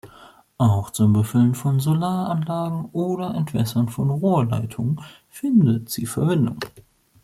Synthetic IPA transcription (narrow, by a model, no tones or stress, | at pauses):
ʔaʊxt͡sʊmbəfʏlənfɔnzolaːɐʔanlaːɡŋ̩ʔoːɾɐʔɛntv̥ɛsɐnfɔnʁoːɐla̰ɪtʰʊŋ | fɪndətz̥iːfɛɐvɪndʊ̰ŋ